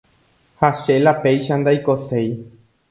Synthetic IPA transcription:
haʃe̞lape̞jʃãnd̪ajkose̞j

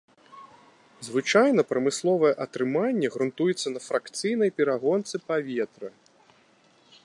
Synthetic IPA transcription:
zvɨt͡ʂajnɐpɾɐmɨslˠɔvɐjɛʔɐt̪ɾɨmanʲːɛɣɾunt̪ujɛt̪sːɐnɐfɾakt̪sɨjnɐjpʲɛɾaɣɔnt̪sɨpavʲɛt̪ɾɐ

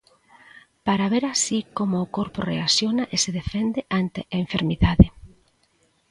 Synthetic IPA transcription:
paɾaβ̞eɾasikomʊːkoɾpʊreasjonaʔeseðefend̪eʔant̪eʔaeɱfeɾmiðaðe

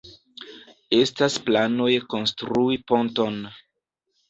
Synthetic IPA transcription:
e̞stasplano̞jko̞nstɾuipo̞nto̞n

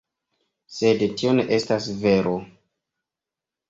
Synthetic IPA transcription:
se̞dtio̞ne̞ʔe̞stasve̞ɾʔo

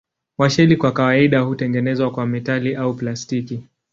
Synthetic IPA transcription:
waʃɛlikwakawaiɗahutɛŋɡɛnɛzwakwamɛtaliʔauplastiki

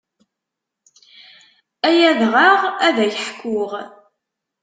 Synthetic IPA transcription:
æjæðʁaʁæðæjəħkːʊʁ

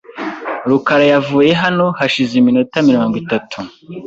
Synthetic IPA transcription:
ɾukaɾajavuːje̞ɦano̞haʃizeminotamiɾo̞ːŋɡwitatʰu

